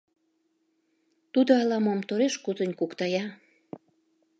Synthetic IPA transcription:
t̪ud̪oɑlɑmomt̪oɾeʃkut̪ə̆nʲkukt̪ɑjɑ

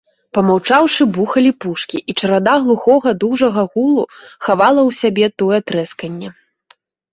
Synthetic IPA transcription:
pɐmawt͡ʂawʂɨbuxɐlʲipuʂkʲiʔit͡ʂɐɾad̪aɣlˠuxɔɣɐd̪uʐɐɣɐɣulˠuxavalˠɐwsʲabʲɛt̪ɔjɛt̪ɾɛskɐnʲːɛ

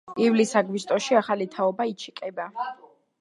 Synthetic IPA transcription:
ivlisaɡwist̪ʼɔʃiaχalit̪ʰaɔbait͡ʃʰi̥kʼɛba

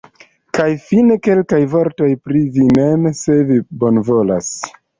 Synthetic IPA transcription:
kajfineke̞lkajvo̞ɾto̞jpɾivinemse̞vibo̞nvo̞la̰s

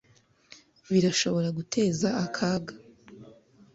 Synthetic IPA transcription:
βiɾaʃo̞βo̞ɾaɡutʰe̞ːzaːkʰaːɡa

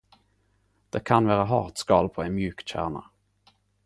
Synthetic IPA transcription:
d̪̥ɛkʰanvæːɾaɦɑ̰ːʈskɑːlpʰɔɛnmjʉ̟ːkɕæ̰ːɳa̰

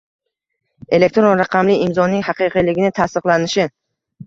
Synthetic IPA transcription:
e̞lek̚ʲt̪ɾonɾaqʰɑmlɪɪmzɒnɪŋhɑqɨqʰɨlɪɡʲɪnɪt̪ʰast̪ɨqlˠanɪʃɪ

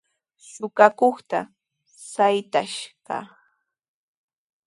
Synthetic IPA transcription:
sʊkakoχt̪a | sajt̪aʃɢɑ̰

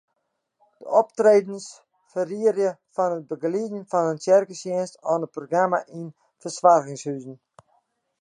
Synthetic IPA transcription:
d̥ə̰ʔɔp̚treːdn̩s | fəriərjəfɔnət̚bəɡlidn̩fɔnənsjɛrkəsjɪnstɔnəproɡramaʔin | fəsʋarɣɪŋshyzən̩

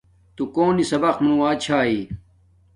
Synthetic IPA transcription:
t̪ukoːnisɐbɐxmunũwaːt͡ɕʰaːi

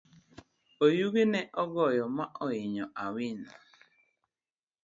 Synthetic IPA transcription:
ojuɣeneʔɔɡɔjɔmaʔɔjɪɲɔʔawɪna̰

